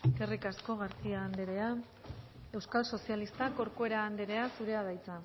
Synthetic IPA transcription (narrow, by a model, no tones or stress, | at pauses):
kerikasko̞ɣaɾt͡siaːnd̪eɾea | e̞wskalso̞sialist̪ako̞ɾkue̞ɾaːnd̪eɾe̞asuɾe̞aðajt͡sa